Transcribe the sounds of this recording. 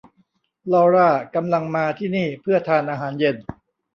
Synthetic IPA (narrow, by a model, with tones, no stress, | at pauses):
lɔː˧ɾaː˥˩ka˧mla˧ŋmaː˧t̪ʰiː˥˩niː˥˩pʰɯ˥˩ɐt̪ʰaː˧nʔaː˧ɦaː˩˦nje˧n